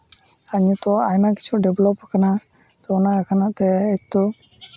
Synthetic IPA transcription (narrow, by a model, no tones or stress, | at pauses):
aɲut̪ɔajmaki̥t͡ʃʰuɖɛblɔpkana | t̪ɔnakakʰanat̪ɛːt̪ɔ